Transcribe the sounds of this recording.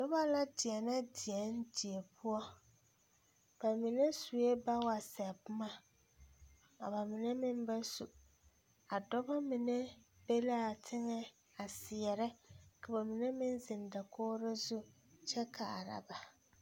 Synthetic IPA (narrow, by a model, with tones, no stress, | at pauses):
dɔ˦ba˦la˦dɪ˨ɛ˨na˦dɪ˨ɛ˦n˦di˨ɛ˨pʰʊ˦ɔ˦ | b̥a˨mɪ˨nɛ˦su˨e˦ba˦wa˨sɛ˨bma˦ | a̰˨ba˨mɪ˨nɛ˦mɪ˦m˦ba˦su˨ | a˨dɔ˦ba˦mɪ˨nɛ˦b̥e˦la˦a˨tʰɪ˦ŋɛ˦ | a˨sɪ˨ɛ˨ɾɛ˦ka˨ba˨mɪ˨nɛ˦mɪ˦n˦zɪ˨nda˨kʰoː˦ɾɪ˦zu˦ | t͡ʃɛ˦kʰa˨a˨ɾa̰˨ba˨